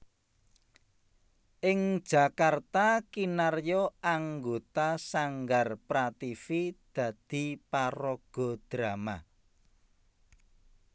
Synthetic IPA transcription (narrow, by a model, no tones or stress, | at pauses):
ʔɪŋ̥ʒ̥a̤kart̪akinarjɔaŋɡot̪asaŋɡarpɾat̪ifid̪̥ä̤d̪̥i̤paɾɔɡ̥ɔ̤d̪̥ɾama